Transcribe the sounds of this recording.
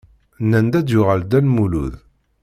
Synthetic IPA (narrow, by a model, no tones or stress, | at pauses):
nænd̪æd̪jʊʁəld̪ælmulṵð